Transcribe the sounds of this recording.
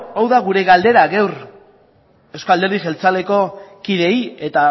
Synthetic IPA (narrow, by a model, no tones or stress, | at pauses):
awðaɣuɾe̞ɣald̪e̞ɾaɣewɾ | ewsko̞ald̪e̞ɾðiʝe̞lt͡sale̞ko̞kiðe̞je̞t̪a